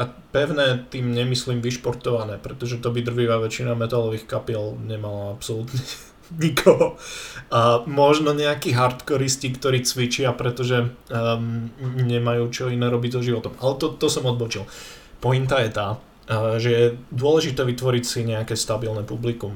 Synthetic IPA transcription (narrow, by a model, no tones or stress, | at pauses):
a | pɛʋʊnɛːt̪iːmɲɛmisliːmʋiʃpɔɾt̪ɔʋanɛːpɾɛt̪ɔʒɛt̪ɔbid̪r̩ʒiːʋaʋɛt͡ʃinamɛt̪alɔʋiːxkapiɛlɲɛmalaapsɔlut̪ɲɛ | ɲikʰɔɦɔ | mɔʒnɔɲɛakiɦaɾt̪kɔɾiscikt̪ɔɾiːt͡sʋit͡ʃɪapɾɛt̪ɔʒɛ | ɲɛmajuːt͡ʃɔinɛːɾɔbiɟzɔʒiʋɔt̪ɔmʔalɛt̪ɔt̪ɔsɔmɔd̪̚bɔt͡ʃil | pɔint̪ajɛt̪a | ʒɛjɛd̪ʊɔlɛʒit̪ɛːʋit̪ʋɔɾicsiɲɛakɛːst̪abilnɛpublikum